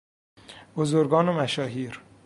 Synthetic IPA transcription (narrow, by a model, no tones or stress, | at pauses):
bozoɾɡɒːnomæʃɒːɦiːɾ